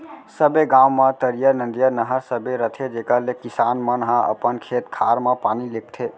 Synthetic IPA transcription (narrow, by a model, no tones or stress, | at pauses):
səbeɡãwmãt̪əɾijənə̃nd̪ijənəɦəsəbʱeɾət̪ʰed͡ʒekalekisanmənɦãʔə̰pənkʰet̪kʰaɾmapanilek̚ʰt̪ʰe